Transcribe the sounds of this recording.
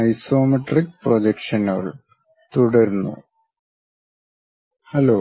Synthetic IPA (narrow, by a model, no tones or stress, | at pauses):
ɐjso̞ːmɐʈrik̚prod͡ʑekʂɐno̰ːɭ | t̪uɽɐɾunːṵ | hɐloː